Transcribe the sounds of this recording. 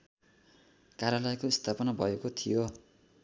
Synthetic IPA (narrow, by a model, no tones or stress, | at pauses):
kaɾjalʌjkoist̪ʰapʌnabʱʌekot̪ʰijo